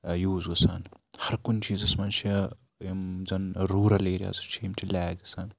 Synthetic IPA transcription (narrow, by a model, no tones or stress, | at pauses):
juːzɡɐsa̰ːn | hɐɾkunt͡ʃiːzɐsmɐːnt͡ʃʰi | mzɐnɾuːɾɐleːɾʲja̰ːzɐt͡ʃʰiimt͡ʃʰilɛːɡɐsaːn